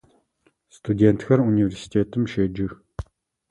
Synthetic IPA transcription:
st̪ud̪ʲent̪xʰarunivʲersi̥t̪ʲʰet̪ə̆mʃed͡ʒɪ̆

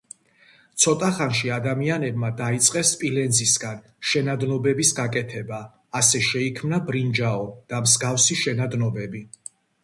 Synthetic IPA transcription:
t̪sʰɔt̪ʼaχanʃiad̪amianɛbmad̪ait̪sʼqʼɛspʼilɛnzisɡan | ʃɛnad̪nɔbɛbisɡakʼɛt̪ʰɛbaː | sɛʃɛikʰmnabɾind͡ʒaɔd̪̥amzɡafsiʃɛnad̪nɔbɛbi

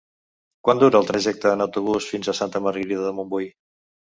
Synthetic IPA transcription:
kwand̪uɾəːlˠt̪ɾəʒɛk̚t̪əːnəwt̪uβ̞usfinzəsant̪əməɾɣəɾiðəðəmumbuj

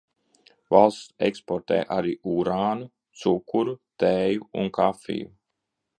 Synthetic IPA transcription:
valˠst̪sɛkspɔɾt̪ɛ̰ːʔaɾiːuɾaːnu | t̪sukːuɾut̪ɛːjuṵnkafḭː

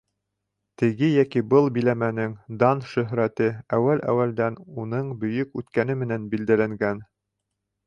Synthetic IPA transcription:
t̪ɘ̆ɡɘjækibɤlˠbilæmænɘŋd̪ɑnʃɵ̆ɦɾæt̪ɘæwælæ̰wæld̪ænunɤɴbɵ̆jɵkʉt̪kæn̪ɘmɘ̆nænbild̪ælæŋɡæn

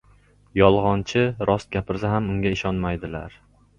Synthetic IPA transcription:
jɒlˠʁɒnt͡ʃʰɪɾɒst̪̚ɡʲapʰɪɾsaɦamʊŋɡʲaɪʃɒnmajd̪ɪla̰ɾ

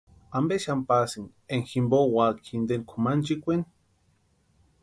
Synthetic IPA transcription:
ambeʃampasin | eŋximbowakʰind̪enkʷʰomant͡ʃikʷen

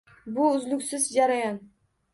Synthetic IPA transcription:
bʊʊzlʊkʲsɪzd͡ʒaɾajɑn

